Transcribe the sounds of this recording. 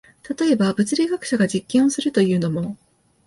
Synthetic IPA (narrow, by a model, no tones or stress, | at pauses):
t̪at̪o̞e̞babɯ̟t͡sɨɾʲiɡakɯ̟̥ɕaɡaʑikʲːẽo̞sɨɾɯ̟t̪o̞jɯ̟ːno̞mo̞